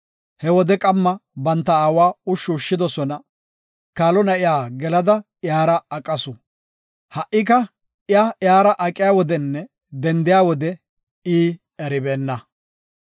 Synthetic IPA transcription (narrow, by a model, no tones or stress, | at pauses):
hɛwɔd̪ɛkʼɐmːɐbɐnt̪ːɐaːwaːʊʃːuːʃːɪd̪ɔsɔnɐ | kaːlɔnɐʔɪjaːɡɛlɐd̪ɐ | jaːɾɐːkʼːɐsʊ | hɐʔːɪk̬ɐ | ɪajaːɾɐʔɐkʼːɪjaːwɔd̪ɛnːɛ | d̪ɛnd̪ɪjaːwɔd̪ɛ | iː | ɛɾɪbeːnːɐ